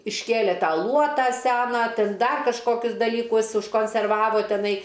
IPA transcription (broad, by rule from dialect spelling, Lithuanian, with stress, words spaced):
ɪʃʲˈkʲeːlʲeː ˈtɑː ˈlˠuɔtɑː ˈsʲæːnɑː ˈtʲɪn ˈdɐr kɐʃˈkoːkʲʊs dɐlʲiːˈkʊs ʊʃkoːnʲsʲɛrˈʋɑːʋoː tʲɛˈnɐɪ